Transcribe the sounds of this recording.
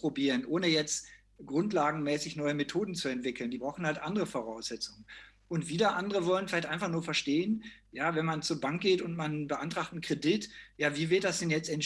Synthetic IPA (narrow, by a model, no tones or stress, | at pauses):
pʁ̥obiːʁənʔoːnəjɛt͡st | ɡ̥ʁʊntlaːɡŋ̩mɛːsɪçnɔʏəmetʰoːdn̩t͡suɛntv̥ɪkl̩ndiːbʁaʊxn̩haltʔandəʁəfoʁaʊszɛt͡sʊŋən | ʔʊntv̥iːdɐʔandəʁəvɔlənfɪlaɪçtʔaɪnfaχnuːɐfɛɐʃteːən | jaːvɛnmant͡suːɐbaŋk̚ɡ̥eːtʊntmanbəʔantʁ̥aχtn̩kʁ̥edɪtjaːviːvɪɐt̚d̥asd̥ɛnjɛt͡stɛn